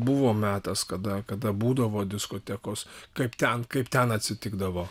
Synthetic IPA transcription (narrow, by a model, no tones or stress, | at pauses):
bʊʋoːmʲæːt̪ɐskɐd̪ɐkɐd̪ɐbuːd̪ɐʋoːd̪ʲɪskoːt̪ʲɛkoːskɐɪpt̪ʲɛnkɐɪpt̪ʲɛnɐt̪ʲsʲɪt̪ʲɪɡd̪ɐʋoː